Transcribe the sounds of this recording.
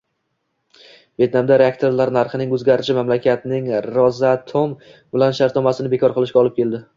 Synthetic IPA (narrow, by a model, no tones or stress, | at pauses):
ve̞t̪̚namd̪aɾeak̚t̪ʰoɾlaɾnaɾχɨnɪŋɵzɡʲaɾɪʃɪmamlakʲat̪nɪŋɾɒzat̪ʰombɪlanʃaɾt̪nɒmasɪnɪbe̞kʰɒɾqʰɨlˠɪʃkʲaɒlˠɪp̚kʲʰe̞ld̪ɪ